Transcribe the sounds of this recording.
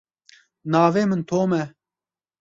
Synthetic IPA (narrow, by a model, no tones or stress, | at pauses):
naːveːmɨnt̪ʰoːmɛ